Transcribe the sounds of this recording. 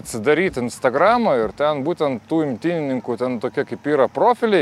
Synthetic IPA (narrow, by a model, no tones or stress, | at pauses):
ɐt̪ʲsʲɪd̪ɐɾʲiːt̪ʲɪnst̪ɐɡrɑmɐɪrt̪ʲɛnbuːt̪ʲɛnt̪tːuːɪmʲt̪ʲinʲɪnʲɪŋkut̪ʲɛnt̪oːkʲiɛkɐɪpiːɾɐpɾoːfʲɪlʲɛɪ